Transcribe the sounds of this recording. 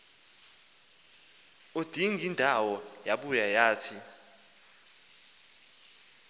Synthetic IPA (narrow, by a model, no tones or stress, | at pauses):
od̥ʱiŋindʱawɔjaɓujajaːtʰi